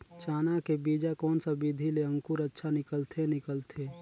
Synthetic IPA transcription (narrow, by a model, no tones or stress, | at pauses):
t͡ʃaːnakebiːd͡ʒakɔːnsabid̪ʱileə̃ŋkuɾətːʃʰanɪkəlt̪ʰenɪkəlt̪ʰe